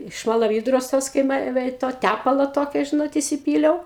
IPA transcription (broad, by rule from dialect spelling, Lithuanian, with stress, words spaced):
ʃmɐlˠɐˈʋʲiːdroːs ˈtoːs kɐɪ ˈmʲɛ ʋʲɛ ɪ ˈtoː ˈtʲæpɐlˠoː ˈtoːkʲoː ˈʒʲɪnoːt ɪsʲɪˈpʲiːlʲɛʊ